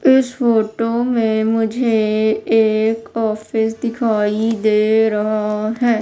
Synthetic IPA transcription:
ɪsfoːʈomẽmʊd͡ʒʱeː | kɔːfɪsd̪ɪkʰaːid̪eːɾɐɦaɦɛː

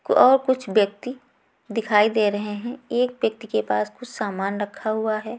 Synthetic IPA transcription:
ɔːɾkʊt͡ʃʰʋjɐk̚t̪i | d̪ɪkʰaːid̪eːɾɐɦeɦɛ̃eːk̚bjək̚t̪ikepaːskʊt͡ʃʰsaːmaːnɾɐkʰːaɦuaɦɛː

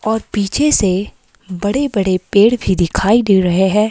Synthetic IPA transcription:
ɔːɾpiːt͡ʃʰese | bɐɽebɐɽepeːɽbʱid̪ɪkʰaːid̪eːɾɐɦeɦɛ̃ː

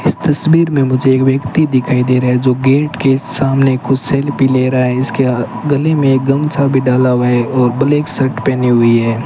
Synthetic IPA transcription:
ɪst̪ɐsbiːɾmẽmʊd͡ʒʱeːkʋjɐkt̪id̪ɪkʰaːid̪eːɾaɦɛd͡ʒoːɡeːʈkesaːmnekːʊt͡ʃʰsɛːlpileːɾaaɦɛɪskea | ɡɐlemẽeːk̚ɡɐmt͡ʃʰabʱiɖaːlaʋaɦɛɔːɾbɐleːksɐɾʈpɛːniɦʊiɦɛː

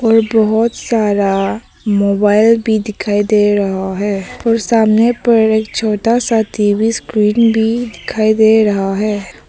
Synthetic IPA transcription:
ɔːɾbɔɦɔt̪saːɾa | moːbaːɪlbʱid̪ɪkʰaːid̪eɾɐɦaɦɛːɔːɾsaːmnepɐɾeːk̚t͡ʃʰoːʈasaːt̪ʰibʱiskɾiːnbʱid̪ɪkʰaːid̪eɾɐɦaɦɛː

